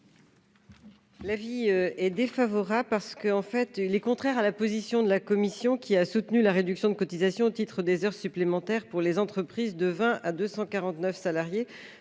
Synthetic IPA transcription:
laviøɛd̪efavɔʁablpaʁsə̥kəɑ̃fɛt̪ilɛkɔ̃t̪χɛʁalapozisjɔ̃d̪əlakɔmisjɔ̃kʲiasut̪nylaʁed̪yksjɔ̃d̪əkɔt̪izasjɔ̃ot̪it̪χəd̪ezœʁsyplemɑ̃t̪ɛʁpuʁlezɑ̃t̪χəpχizd̪əvɛ̃ʔad̪øsɑ̃kaʁɑ̃t̪nœfsalaʁje

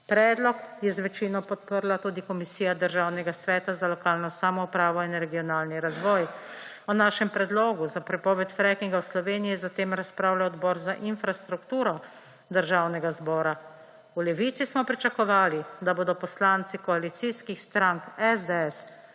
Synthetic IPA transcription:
pɾɛːd̪lɔkjɛzʋɛt͡ʃiːnɔpɔt̪̚pəɾlat̪uːd̪ikɔmisiːjad̪əɾʒaːwnɛɡasʋɛːt̪azalɔkaːlnɔsaːmɔupɾaːʋɔinɾɛɡijɔnaːlniɾazʋɔːj | ɔnaːʃɛmpɾɛd̪lɔːɡuzapɾɛpɔːʋɛt̪fɾɛkiŋɡawslɔʋeːnijizat̪eːmɾaspɾaːwlaɔd̪bɔːɾzaʔinfɾast̪ɾukt̪uːɾɔ | d̪əɾʒaːwnɛɡazbɔːɾa | ulɛʋit̪sismɔpɾit͡ʃakɔʋaːlid̪aboːd̪ɔpɔslaːnt̪sikɔalit̪siskixst̪ɾaŋkɛzd̪eɛs

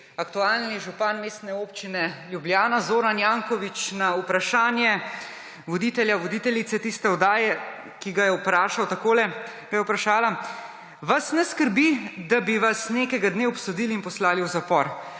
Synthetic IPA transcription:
akt̪uaːlniʒupanmeːst̪nɛoːpt͡ʃinɛljubljaːnazoːɾanjaːŋkɔʋit͡ʃnaupɾaʃaːnjɛ | ʋɔd̪iːt̪ɛljaʋɔd̪iːt̪ɛlit̪sɛt̪ist̪ɛɔd̪aːjɛ | kiɡajɛupɾaːʃawt̪akoːlɛ | kajɛwpɾaʃaːla | ʋasnɛskəɾbid̪abiʋasneːkɛjɡad̪neɔpsɔd̪iːliːnpɔslaːliwzapɔɾ

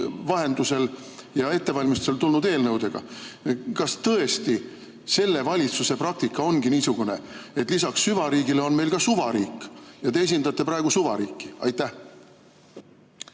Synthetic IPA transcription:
vɑɦe̞nd̪use̞l | jɑe̞t̪ːe̞vɑlʲmist̪u̥selt̪ulnud̪e̞ːlnɤwd̪̥e̞ɡ̥ɑ̰ | kɑst̪ɤ̞e̞st̪i | se̞lːe̞vɑlʲit̪suse̞prɑk̚t̪ikːˑɑo̞nɡiniːsuɡ̥une̞e̞t̪ˑlisɑksːyvɑɾiːɡile̞o̞nme̞jlkɑsuvɑɾiːkːˑjɑt̪e̞es̬ind̪ɑt̪ːˑe̞pɾɑe̞ɡ̥usuvɑ̰ɾiːkːi̥ɑ̰jt̪ːˑæh

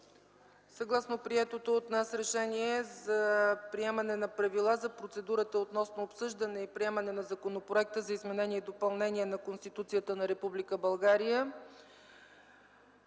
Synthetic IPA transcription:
sɐɡlˠasnopɾiɛt̪ot̪oːt̪nasɾɛʃɛniɛzɐpɾiɛmənɛnɐpɾɐvilˠazɐpɾot̪sɛd̪uɾət̪əot̪nɔsnoːpsɤʒd̪ənɛipɾiɛmənɛnɐzɐkonopɾoɛk̚t̪əzɐizmɛnɛnʲiɛid̪opɐlˠnɛniɛnɐkonst̪it̪ut̪sijət̪ənɐɾɛpublikəbɐlˠɡaɾijə

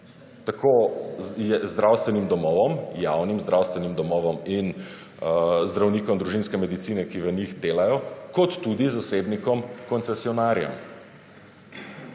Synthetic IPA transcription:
t̪akʰojɛzd̪ɾawst̪ʋɛnimd̪ɔmɔːʋɔmjawnimzd̪ɾawst̪ʋɛnimd̪ɔmɔːʋɔmin | zd̪ɾawniːkɔmd̪ɾuʒinskɛmɛd̪it̪siːnɛkiʋənixd̪eːlajɔkɔt̪ːud̪izasebnikɔmkɔnsɛsiɔnaːɾjɛ̰m

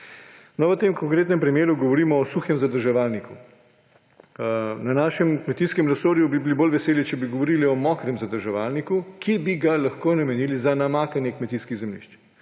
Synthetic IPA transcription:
nɔʋət̪emkɔŋkɾeːt̪nɛmpɾimjeːɾuɡɔʋɔɾiːmɔːsuxjɛmzad̪əɾʒɛʋalniku | nanaːʃɛmkmɛt̪iːskɛmɾɛsoːɾjubibilibolʋɛseːlit͡ʃɛbiɡɔʋɔɾiliɔmɔːkɾɛmzad̪əɾʒɛʋaːlnikukibiɡalaxkoːnamɛniːlizanamaːkanjɛkmɛt̪iskiɣzɛmlḭʃt͡ʃ

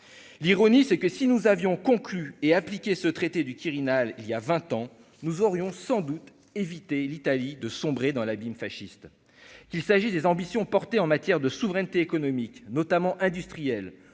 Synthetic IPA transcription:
liʁɔnisɛkəsinuzavjɔ̃kɔ̃klyeaplikʲesət̪χet̪ed̪ykʲiʁinaliljavɛ̃t̪ɑ̃ | nuzɔʁjɔ̃sɑ̃d̪ut̪ | evit̪elit̪alid̪əsɔ̃bʁed̪ɑ̃labimfaʃist̪ | kʲilsaʒid̪ezɑ̃bisjɔ̃pɔʁt̪eɑ̃mat̪jɛʁd̪əsuvʁɛnt̪eːkɔnɔmiknɔt̪amɑ̃ʔɛ̃d̪yst̪χijɛl

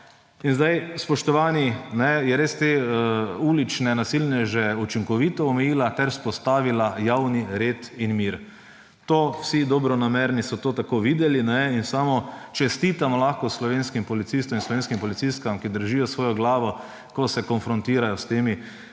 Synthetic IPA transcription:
inzd̪ajspɔʃt̪ɔʋaːninɛjɛɾeːst̪e | uːlit͡ʃnɛnasilnɛʒɛut͡ʃiŋkɔʋit̪ɔːmɛjiːlat̪ɛɾspɔst̪aːʋilajawniɾeːt̪inmiɾ | t̪oːwsid̪ɔbɾɔnamɛɾnisɔt̪oːt̪akoːʋiːd̪ɛlinɛinsaːmɔt͡ʃɛst̪it̪amɔlaxkɔslɔʋenskimpɔlit̪siːst̪ɔminslɔʋeːnskimpɔlit̪sist̪kamkid̪əɾʒijɔsʋoːjɔɡlaːʋɔ | kɔsɛkɔnfɾɔnt̪iːɾajɔst̪eːmi

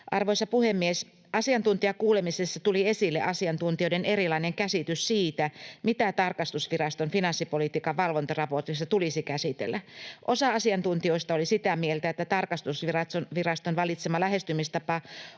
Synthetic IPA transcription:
ʔɑrʋoisɑpuhemːies | ʔɑsiɑnt̪unt̪iɑkuːlemisesːɑt̪uliesilːḛʔɑsiɑnt̪unt̪ioidenerilɑineŋkæsit̪yssiːt̪æmit̪æt̪ɑrkɑst̪usʋirɑst̪onfinɑnsːipolit̪iːkɑʋʋɑlʋont̪ɑrɑport̪isːɑt̪ulisikæsit̪ḛlːˑæʔosɑɑsiɑnt̪unt̪ioist̪ɑolisit̪æmielt̪æet̪ːæt̪ɑrkɑst̪usʋirɑt̪sonʋirɑst̪onʋɑlit̪semɑlæɦest̪ymist̪ɑpɑ

